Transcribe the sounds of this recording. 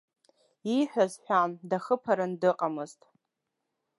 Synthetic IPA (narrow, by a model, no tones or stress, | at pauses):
iħʷᶣazħʷᶣamdaχəpʰaɾɨndɨqʼamɨztʼ